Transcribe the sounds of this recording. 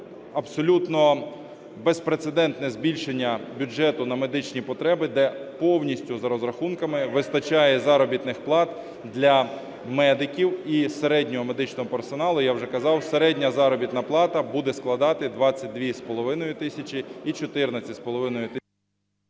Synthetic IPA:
ɐbsɔlʲut̪nɔ | bespɾet̪sed̪ɛnt̪nɛzbʲilʲʃenʲːɐbʲʊd͡ʒɛt̪ʊnɐme̞d̪ɪt͡ʃnʲipɔt̪ɾɛbɪd̪ɛpɔwnʲisʲtʲʊzɐɾɔzɾɐxunkɐmɪʋɪst̪ɐt͡ʃajɛzɑɾɔbʲit̪nɪxplˠɑt̪ | d̪lʲɐ | mɛd̪ɪkʲiwiseɾɛdʲnʲɔɦɔme̞d̪ɪt͡ʃnɔɦɔpersɔnɑlˠʊjawʒɛkɐzɑwseɾɛdʲnʲɐzɑɾɔbʲit̪nɐplˠɑt̪ɐbud̪ɛsklˠɐd̪ɑt̪ɪd̪ʋɑt͡sʲːɐt̚ʲd̪ʋʲispɔlˠɔʋɪnɔjʊt̪ɪsʲɐt͡ʃɪit͡ʃɔt̪ɪrnɐt͡sʲɐspɔlˠɔʋɪnɔjʊt̪ɪ

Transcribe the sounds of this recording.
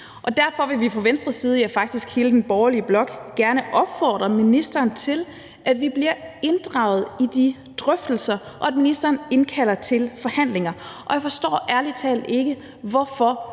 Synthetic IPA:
ʔɒ̽d̥æɐfɒ̽ʋe̝ʋipʰɒ̽ʋensd̥ʁɐsiːð̞̩ˠjɑ̈ɪfɑ̈ɡ̥̚d̥isɡ̥he̝ːləd̥enb̥ɒːʊɐliəb̥lɒ̽ɡ̥ɡ̥æɐnəʔɒ̽b̥fɒ̰ːd̥ʁɐminisd̥ɐːnt͡sʰe̝l | ʔæd̥ʋib̥liɐ̰e̝nd̥ʁɑ̈ʊð̞̩ˠid̥i | d̥ʁœfd̥l̩sɐʔɒ̽æd̥minisd̥ɐːne̝nkʰælɐt͡sʰe̝lfɒ̽hæn̰le̝ŋɐʔɒ̽jɑfɒ̽sd̥ɔ̰ːʔæɐlit͡sʰɛ̰ːld̥e̝ɡ̥ə | ʋɒfɒ

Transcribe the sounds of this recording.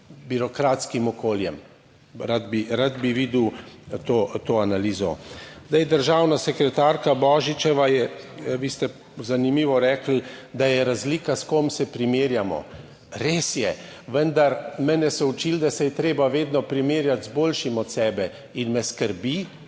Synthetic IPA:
biɾɔkɾat̪skimɔkoːljɛm | ɾad̪biɾad̪biʋiːd̪wt̪ot̪oanaliːzɔ̰zd̪ajd̪əɾʒaːwnasɛkɾɛt̪aɾkabɔːʒit͡ʃɛʋajɛʋist̪ɛ | zanimiːʋɔɾɛːkl̩d̪ajɛɾazliːkaskomsɛpɾimeːɾjamɔ̰ | ɾeːsjɛʋənd̪aɾmɛnjɛsɛut͡ʃild̪asɛjɛt̪ɾeːbaʋeːd̪nɔpɾimeːɾjat̪zboːlʃimɔt̪sɛːbɛ | inmɛskəɾbi

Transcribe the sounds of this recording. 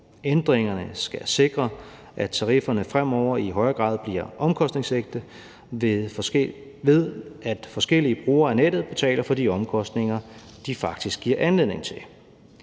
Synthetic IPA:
end̥ʁeŋɐnəsɡ̥æse̝ɡ̥ʁɐ | ʔæ̥t͡sʰɑ̈ʁifɐnəfʁam̰ɒʊ̰ɐiɦɒ̽ɪɐɡ̥ʁɑ̰̈ːðˠb̥liɐ̰ʔɒ̽mkʰɒ̽sd̥ne̝ŋseɡ̥̚d̥ə | ʋe̝ðˠæd̥fɒ̽sɡ̥el̰iəb̥ʁuːɐæned̥ð̞̩ˠb̥e̝t͡sʰɛ̰ːlɐfɒ̽d̥iɒ̽mkʰɒ̽sd̥ne̝ŋɐ | d̥ifɑ̈ɡ̥d̥isɡ̥iɐ̰ʔænle̝ð̰ˠne̝ŋt͡sʰe̝l

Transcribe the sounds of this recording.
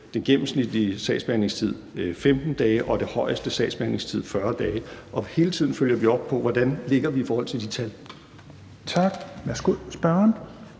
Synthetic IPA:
d̥enɡ̥em̰m̩snid̥liəsd̥ɛ̰ːdsb̥eæne̝ŋst͡sʰið̞̰ˠfemd̥n̩d̥ɛːɪʔɒ̽d̥e̝hɒ̽ɪəsd̥əsɛ̰ːd̥sb̥eæne̝ŋst͡sʰið̰ˠfɶɐd̥ɛːʔɒ̽he̝ːlət͡sʰið̞̰ˠn̩føl̰jɐʋiɒ̽b̥̚pʰɒ̽ʋɒd̥ænle̝ɡ̥ɐʋiifɒːhɒ̽l̰t͡sʰe̝d̥it͡sʰæl | t͡sʰɑɡ̥ʋæsɡ̥oðsb̥ɶɐn

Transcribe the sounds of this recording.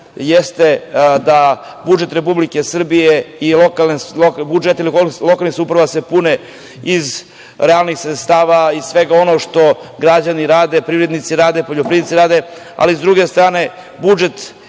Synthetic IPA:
jest̪e̞d̪a | bud͡ʒe̞t̪ɾepublikesr̩bijeilokalokbud͡ʒet̪ilikoilˠo̞kalnixsupɾaʋase̞pune | iz | ɾealnixsɾet̪st̪aːʋaisʋeɡao̞noʃt̪o̞ɡɾad͡ʑaniɾaːd̪epɾiːvɾed̪nit̪siɾaːd̪epo̞ʎopɾiit̪siɾaːd̪e | a̰lizd̪ɾuɡe̞st̪ɾaːne̞ | bud͡ʒe̞t̪

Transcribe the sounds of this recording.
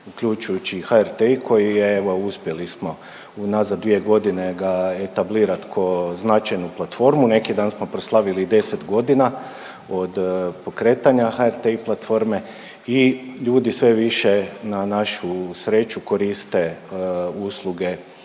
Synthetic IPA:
ukʎut͡ʃujut͡ɕixaeɾt̪eikʰo̞jieʋo̞uspje̞lismo̞ | unazad̪ʋie̞ɡo̞d̪ine̞ɡaet̪abliːɾat̪kʰoznat͡ʃajnuplat̪fo̞ɾmune̞kid̪aːnsmo̞pɾo̞slˠaʋilid̪e̞se̞t̪ɡo̞d̪ina | o̞d̪po̞kɾe̞ːt̪aɲaxaeɾt̪eiplˠat̪fo̞ɾme̞ | iʎuːd̪isʋe̞ʋiʃe̞nanaʃusɾet͡ʃuko̞ɾist̪e̞ | uslˠuɡe̞

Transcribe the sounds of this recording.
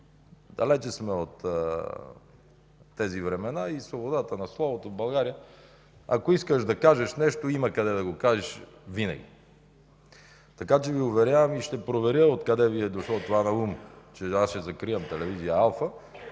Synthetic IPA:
d̪ɐlɛt͡ʃɛsmɛot̪ | ɛzivɾɛmɛnaisvobod̪at̪ənɐslˠɔvot̪ovbɐlˠɡaɾijə | a̰koiskəʃd̪ɐkaʒɛʃnɛʃt̪oimɐkɐd̪ɛd̪ɐɡokaʒɛʃ | vinɐ̰ɡ̟ʲḭ | t̪ɐkat͡ʃɛviovɛɾʲjavɐmiʃt̪ɛpɾovɛɾʲjəot̪kɐd̪ɛviɛd̪oʃlˠot̪ovanɐumt͡ʃɛasʃɛzɐkɾijɐmt̪ɛlɛvizijəalˠfə

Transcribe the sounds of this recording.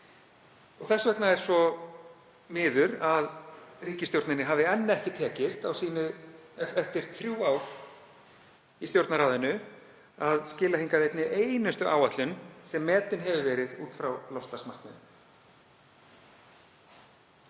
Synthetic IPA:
ɔɣθɛsːvɛk̪naɛɾ̥svɔ | mɪːðʏɾaðriːcɪst̪jowɾt̪ɪnɪɦaːvðɪɛnːaɛhcɪt̪ʰɛːcɪst̪awsiːnʏ | ɛft̪ɪɾ̥θɾjuaːwɾ̥ | ist̪jowɾt̪naɾaːwðɪnʏ | aðscɪːlaɦiŋkaðɪejp̪nɪʔeːjnʏst̪ʏʔa̰ːwat̪lʏnsɛmːɛːt̪ɪnɦɛvʏvɛːɾɪðuːt̪fɾawlɔwst̪lasmar̥knʏn

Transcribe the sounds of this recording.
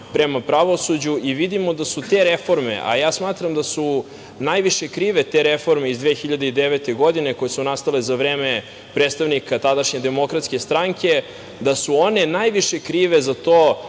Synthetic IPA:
pɾemapɾaʋo̞sud͡ʑuʔiʋid̪imo̞d̪asut̪e̞ɾefo̞ɾmḛʔa̰jaːsmaːt̪ɾamd̪asu | najʋiʃe̞kɾiːʋe̞t̪e̞ɾefo̞ɾmeizd̪ʋeːxiʎad̪eid̪eʋet̪e̞ɡo̞d̪ine̞ko̞jesunast̪alezaʋɾeːme | pɾet̪st̪aʋnikat̪ad̪aʃɲed̪emo̞kɾat̪skʲe̞st̪ɾaŋke̞ | d̪asuo̞ne̞najʋiʃe̞kɾiːʋe̞zat̪oː

